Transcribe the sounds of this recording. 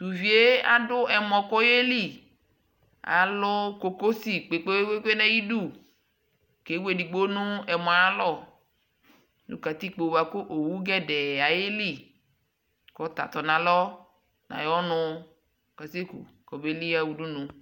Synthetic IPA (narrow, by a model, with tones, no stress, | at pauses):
t̪u˨vi˨e˦a̰˦dʊ˦ɛ˨mɔ̃˨kɔ˦je˦li˦˨ | a̰˨lʊ˦ko˨ko˦si˦k͡pe˨k͡pe˦e˦k͡pe˦k͡pe˦nɛ̃˦ji˦du˦˨ | ke˨˦we˨di˨ɡ͡bo˦nʊ̃˦ɛ˨mɔ˨a˦lɔ˦˨ | nṵ̃˨˦ka˨t̪i˦k͡po˨wa˨kʊ˦ʔo˨wu˦ɡɛ˦dɛ˨a˨je˦li˦˨ | kɔ˨˦t̪a̰˨t̪ɔ˨nã˨lɔ˦ | nã̰˨jɔ˦nʊ̃˧ | ka˨se˦kṵ˨ | kɔ˨be˦li˦a˦wu˨du˦nʊ̃˨